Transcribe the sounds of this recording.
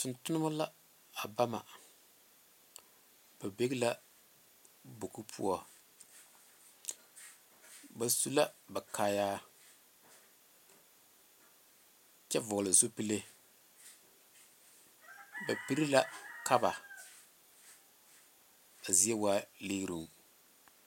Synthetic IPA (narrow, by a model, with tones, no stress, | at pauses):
tʊ˨ntʊ˦nɨ˦ma˦la˦ | a˨ba˦ma̰˨ | b̥a˨be˦ɣla˦ | bo˨ku˦pʰṵ˦ɔ˦ | ba˨su˦la˦ba˨kaː˦jaː˦ | t͡ʃɛ˦vʊ˨ɣlɪ˨zo˦pi˦le˦ | ba˨pi˦ɾi˦la˦ka˦ba˨ | a˨zi˦ɛ˦waː˦le˦ɾu˨ŋ